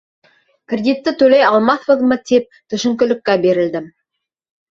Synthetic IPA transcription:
kʲɾʲed̪ʲit̪ːɪt̪ʰɵlejɑlˠmɑθbəðmət̪ep̚t̪ʰɵ̆ʃɪ̆ŋkʲʏ̆lɪ̆kʲːæbe̞ɾɪ̆ld̪ɪm

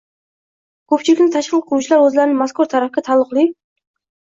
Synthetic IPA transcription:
kʲʰɵp̚t͡ʃʰilɪkʲnɪt̪ʰɑʃqəlˠqʰuut͡ʃʰilˠɑɾwɵzlæɾɪnɪŋmɑskʊɾt̪ʰɑɾɑfɡʲɑt̪ʰɑlˠːʊqlˠɨ

